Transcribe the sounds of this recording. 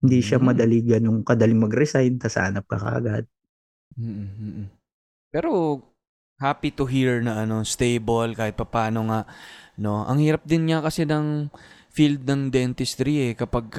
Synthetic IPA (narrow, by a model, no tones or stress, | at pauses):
hɪnd̪iʃamɐd̪ɐliːɡɐnʊŋkɐd̪ɐlɪŋmɐɡɾɛsajnt̪ɐsa̰ːnɐp̚kɐ̰kɐ̰ʔɐ̰ɡad̪̚ | m̩ːʔ̩ːʔ̩ | pɛːɾo̞ | haːpit̪ʊɦiɹnɐʔɐno̞st̪ejbolkaːhɪt̪̚pɐpaːno̞ŋaʔno̞ʔɐ̰ŋhiːɾɐp̚d̪ɪnɲɐkɐsɛnɐŋ | fild̪̚nɐŋd̪ɛnt̪ɪst̪ɾiʔɛkɐpɐɡ̚